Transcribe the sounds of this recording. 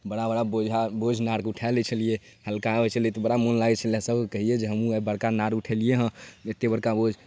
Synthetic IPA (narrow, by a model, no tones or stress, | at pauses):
bəɽabəɽabod͡ʒʱabod͡ʒʱnaɾkuʈʰalɛt͡ʃʰəlije | həlkaet͡ʃʰəlet̪ɔbəɽamonlaɡɛt͡ʃʰəliɦə̃səbʱkekəɦijed͡ʒeɦəmũbəɽkanaɾuʈʰəlijeɦə̃et̪ebəɽkabod͡ʒʱ